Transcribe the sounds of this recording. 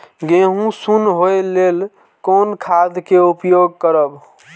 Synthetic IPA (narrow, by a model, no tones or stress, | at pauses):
ɡeɦũsunɦojlel | konkʰad̪ʱkeupjoɡ̚kəɾəb